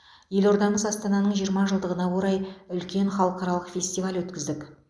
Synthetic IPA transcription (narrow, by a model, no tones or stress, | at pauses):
je̞lo̞ɾd̪ɑɴəzɑst̪ɑnɑnəɴʒijəɾmɑʒəlˠd̪əʁənɑwo̞ɾɑjʏlkʲe̞ɴχɑlˠəqɑɾɑlˠəqfʲe̞sʲt̪ivalwɵt̪kʲɪzd̪ɪk